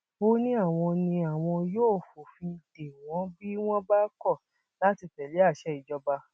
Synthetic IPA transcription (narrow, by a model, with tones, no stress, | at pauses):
o˧nĩ˦a˦˨w̃ɔ̃˧nĩ˧a˨w̃ɔ̃˧joː˦˨fo˨fĩ˧d̥e˨w̃ɔ̃˨˦bi˦w̃ɔ̃˦ba˦kɔ˦˨ | la˦ti˨˧tɛ˨le˨˦a˦˨ʃɛ˦i˨d͡ʒɔ˧ba˧